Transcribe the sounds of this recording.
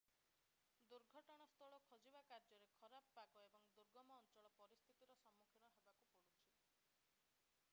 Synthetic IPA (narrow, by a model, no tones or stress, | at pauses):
d̪uɾɡʱɔʈɔɽ̃ɔst̪ʰɔɭɔkʰɔd͡ʒibakaɾd͡ʒɔɾekʰɔɾapɔpakɔebɔŋd̪uɾɡɔmɔːnt͡ʃɔɭɔpɔɾist̪ʰit̪iɾɔsɔmːukʰinɔɦebakupɔɽut͡ʃʰi